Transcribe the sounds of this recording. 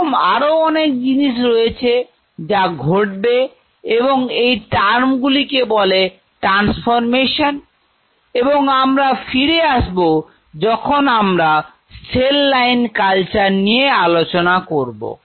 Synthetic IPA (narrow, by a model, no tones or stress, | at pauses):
ma̰ɾoɔnek̚d͡ʑiniʃ̬ɾojet͡ɕʰe | d͡ʑaɡʱoʈ̚be | eboŋejʈaɾmɡulikebɔle | ʈɾansfoɾmeʃon | eboŋamɾafiɾeaʃbo | d͡ʑɔkʰonamɾa | selːajnkalt͡ɕaɾnijealot͡ɕonakoɾbo̰